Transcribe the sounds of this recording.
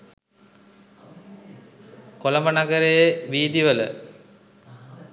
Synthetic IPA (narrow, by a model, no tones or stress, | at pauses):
koləmənaɡəɾejəʋiːd̪iʋələ̰